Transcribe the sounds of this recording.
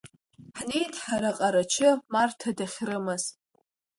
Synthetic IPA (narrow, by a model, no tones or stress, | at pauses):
ħnejtʰʼħaɾaqʼaɾat͡ʃʰɪmartʰadaχʲrɨmɨz̥